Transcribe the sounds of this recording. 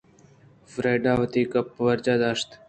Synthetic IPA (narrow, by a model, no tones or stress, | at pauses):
fɾeːɖaːʋət̪iːkəpːʋəɾd͡ʒaːd̪aːʃt̪